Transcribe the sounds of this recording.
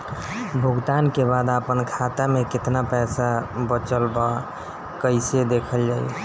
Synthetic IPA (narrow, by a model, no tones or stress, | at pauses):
bʱuɡt̪ankebad̪apənkʰat̪amekɪt̪napɛsabət͡ʃəlba | kəɪsed̪ekʰəld͡ʒaj